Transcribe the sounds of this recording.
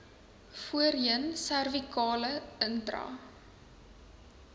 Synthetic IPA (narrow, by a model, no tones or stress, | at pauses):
fuərjənsærvikɑːləəntrɐ̰